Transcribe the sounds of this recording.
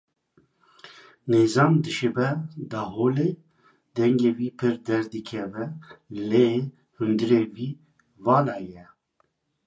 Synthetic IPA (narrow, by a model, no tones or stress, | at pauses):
neːzɑːmd̪ɨʃebɛd̪ɑːɦoːle | d̪ɛŋɡeːwiːpʰɨɾd̪ɛɾd̪ɨkʰɛvɛle | hund̪ɨɾeːwiː | vɑːnɑːjɛ